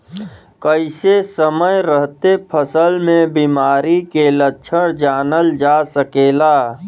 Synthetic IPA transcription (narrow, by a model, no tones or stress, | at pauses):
kəɪsesəməjɾəɦt̪epʰəsəlmẽbimaːɾikelət͡ʃʰəɽd͡ʒaːnəld͡ʒasəkeːlaː